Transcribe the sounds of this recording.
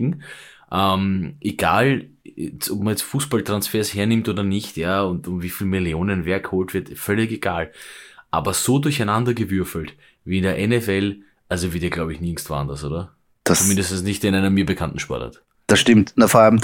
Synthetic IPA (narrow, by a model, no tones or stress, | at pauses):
ŋ̩ʔɛmʔeɡ̥a̰ːl | ɛt͡sɔpmɐjɛt͡stfuːsb̥altʁ̥ansfeːɐsheːɐnɪmtʔoːdɐnɪçtjaːʊntʊmviːfiːlmiljoːnənvɛɐkhoːltv̥ɪɐtfœlɪkeɡaːlʔa̰ːbɐz̥oːdʊɐçæɪnandɐɡəvʏɐfl̩t | viːɪndeːɐʔɛnɛfɛl | ʔalzoviːdiːɐɡlaʊbəɪçnɪŋstv̥a̰ːɐndasʔo̰ːdɐ | d̥ast͡sʊmɪndəstn̩snɪçteɪnæɪnəmːiːɐbəkʰantn̩ʃpɔ̰ɐtha̰t | d̥asʃtɪmtnafoɐalm